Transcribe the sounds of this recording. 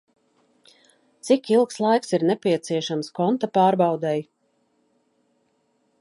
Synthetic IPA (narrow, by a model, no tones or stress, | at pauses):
t̪sikilˠkslˠajksiɾnɛpʲiɛt̪siɛʃamskɔnt̪apaːɾbawd̪ɛj